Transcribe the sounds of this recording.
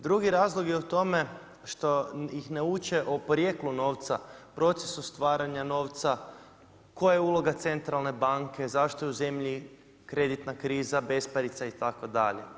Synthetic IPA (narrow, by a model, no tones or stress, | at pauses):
d̪ɾuɡiɾaːzlˠoɡjeut̪o̞me̞ | ʃt̪ojixneut͡ʃe̞ʔopoɾjeːkluno̞ːʋt̪sapɾo̞t̪se̥sust̪ʋaːɾaɲano̞ːʋt̪sa | ko̞jajeuːlˠo̞ɡat̪se̞nt̪ɾalˠne̞baŋkʰe̞zaʃt̪ojeuze̞mʎi | kɾe̞d̪it̪nakɾiːzabe̞spaɾit̪sait̪ako̞d̪a̰ʎḛ